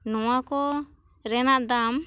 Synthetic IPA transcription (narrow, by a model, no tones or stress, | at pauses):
nɔwakɔ | ɾɛnaʔd̪am